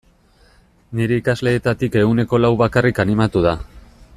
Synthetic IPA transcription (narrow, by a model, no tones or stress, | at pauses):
niɾe̞ikazle̞ːt̪at̪ike̞ɣune̞ko̞lawβakarikanimat̪uð̞a